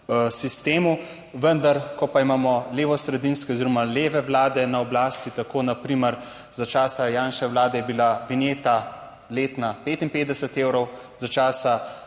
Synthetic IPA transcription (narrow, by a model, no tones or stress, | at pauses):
sist̪eːmu | ʋənd̪aɾkɔpaimaːmɔleːʋɔsɾɛd̪inskɛoziɾɔmaleːʋɛʋlaːd̪ɛnaɔblaːst̪it̪akoːnapɾiməɾ | zat͡ʃaːsajaːnʃɛʋwlaːd̪ɛjɛbilabineːt̪a | leːt̪napeːt̪inpeːt̪d̪ɛsɛt̪eːwɾɔwzat͡ʃaːsa